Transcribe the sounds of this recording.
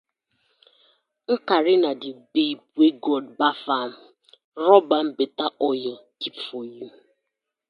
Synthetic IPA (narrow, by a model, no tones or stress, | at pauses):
ŋ̩kaɾɪnadɪbeibueɡɔdbafam̩ | ɾɔbam̩betaʔɔjɔkipfoju